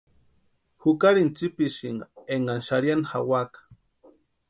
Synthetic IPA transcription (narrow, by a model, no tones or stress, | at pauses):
xukaɾint͡sipiʃiŋɡaeŋɡanʃaɾjanxawakḁ